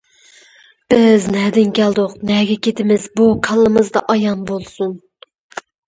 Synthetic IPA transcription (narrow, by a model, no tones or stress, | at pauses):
b̥ɪznɛd̪ɪnkʲɛld̪ʊqnɛɡʲɛkʲʰet̪ʰɪmɪzbukʰɑlˠːɨmɨzd̪ɑʔɑjɑnbolˠsun